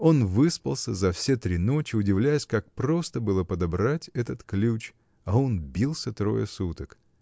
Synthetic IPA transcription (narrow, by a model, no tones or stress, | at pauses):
o̞nvɨspə̰lˠsʲəzɐfsʲet̪ɾʲino̞t͡ɕɪʊdʲɪvlʲæjɪsʲkak̚pɾo̞st̪əbɨlˠəpəd̪ɐbɾatʲɛt̪ət̪klʲut͡ɕ | aonbʲilˠsʲət̪ɾo̞̰jə̰sut̪ək